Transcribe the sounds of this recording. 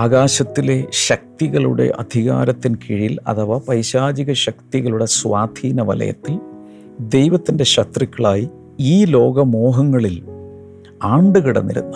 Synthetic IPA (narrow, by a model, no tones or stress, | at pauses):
aːɣaːɕɐt̪ːile̞ɕɐk̚t̪iɣɐɭṵɽe̞̰ʔɐd̪ʱiɣa̰ːɾɐt̪ːinkʰiɻijilɐ̰t̪ʰɐʋaːpɐɾɕaːd͡ʑiɣɐɕɐk̚t̪iɣɐɭuɽe̞sʋaːd̪ʱiːnɐʋɐ̰lɐ̰jɐ̰t̪ːil | d̪e̞jʋɐt̪ːinde̞ɕɐt̪rikʲːɐɭaːji | iːlo̞ːɡɐmo̞ːɦɐŋːɐɭil | aːɳɖɨɣiɽɐ̰nːiɾṵnːu